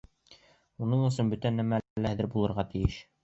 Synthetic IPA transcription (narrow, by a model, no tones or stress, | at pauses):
unɤɴɵ̆sɵnbɵt̪ænːæmælːææðɘɾbulˠɤ̆ɾʁɑt̪ɘ̆jɘʃ